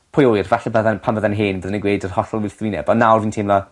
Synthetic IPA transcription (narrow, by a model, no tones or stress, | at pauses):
pʰʊjojrvɛɬɛbəðanpʰamvəðɛnɦɪːnbəðnəɡweːdərhɔɬɔlˠwɪθwiːnɛbɔnːawrviːntʰemla